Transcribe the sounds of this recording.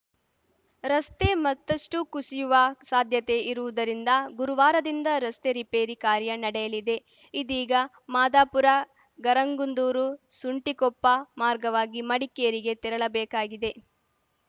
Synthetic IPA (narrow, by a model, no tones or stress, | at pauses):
ɾɐst̪e̞mɐt̪ːɐʂʈukusijuʋɐsaːd̪ʱjɐt̪e̞iɾuʋud̪ɐɾind̪ɐɡuɾuʋaːɾɐd̪ind̪ɐɾɐst̪e̞ɾipeːɾikaːɾjɐnɐɽɛjɐlid̪e̞ | id̪iːɡɐ | maːd̪aːpuɾɐ | ɡɐɾɐŋɡund̪uːɾusuɳʈikɔpːɐmaːɾɡɐʋaːɡimɐɽikːejɐɾiɡe̞t̪iɾɐɭɐbɛːkaːɡid̪e̞